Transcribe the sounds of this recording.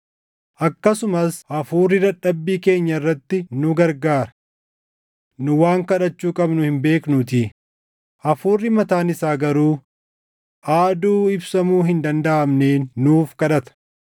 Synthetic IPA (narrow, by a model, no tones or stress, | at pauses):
ʔɐkːɐsʊmɐsʔɐfuːrːɪd̪ɐᶑːɐbːiːke̞ːɲːɐɪrːɐt̪ːɪnʊɡɐɾɡaːɾɐ̥ | nʊwaːŋkɐᶑɐt͡ʃːuːkʼɐbnʊhɪmbe̞ːknʊt̪iː | ʔɐfuːrːɪmɐt̪aːnɪsaːɡɐɾuː | ʔaːd̪uːɪbsɐmuːɦɪnd̪ɐnd̪ɐʔɐmne̞ːnːuːfkɐᶑɐt̪ɐ̥